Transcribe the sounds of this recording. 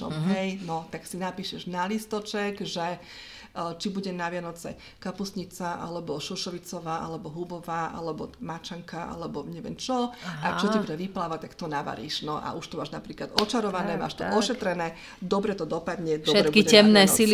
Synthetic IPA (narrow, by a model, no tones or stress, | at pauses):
ɔ̰ɦɛjnɔt̪aksinapiːʃɛʒnalist̪ɔt͡ʃɛɡʒɛ | t͡ʃibuɟɛnaʋɪanɔt͡sɛ̰ | kapusɲit͡saʔa̰lɛbɔʃuʃɔʋit͡sɔʋaːʔa̰lɛbɔɦubɔʋaːʔa̰lɛbɔmat͡ʃaŋkaʔa̰lɛbɔɲɛʋɪɛ̰mt͡ʃɔakt͡ʃɔtabuɟɛʋiplaːʋac̚t̪akt̪ɔnaʋa̰ɾḭːʃnɔʔa̰ʔuʃt̪ɔmaːʒnapɾiːklad̪ɔt͡ʃaɾɔʋanɛːma̰ːʃt̪ɔʔɔʃɛt̪ɾɛnɛː | d̪ɔbɾɛt̪ɔd̪ɔpad̪ɲɛd̪ɔɛɾɛkiɛɛmnɛːsil